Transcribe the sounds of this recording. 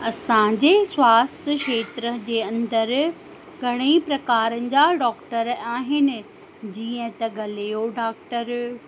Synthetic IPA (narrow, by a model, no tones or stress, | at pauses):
ɐsãd͡ʑeːswaːst̪ʰəʃeːt̪ɾəd͡ʑeːɐ̃nd̪əɾ | ɡʱɐɽ̃ipɾɐkaːɾənɪ̆d͡ʑaɖɔːkʈəɾaːɦɪnɪ̆ | d͡ʑiːə̃t̪ɐɡɐlejoɖaːk̚ʈəɾ